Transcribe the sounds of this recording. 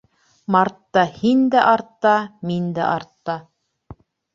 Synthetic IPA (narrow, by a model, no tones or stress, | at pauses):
mɑɾt̪ːɑhind̪æʔɑɾt̪ːɑmind̪æ̰ʔɑɾt̪ːɑ